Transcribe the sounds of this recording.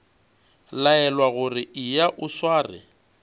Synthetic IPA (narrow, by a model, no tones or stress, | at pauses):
laɛlwaɣʊrɪʔɪjaʔʊswaːrɪ̰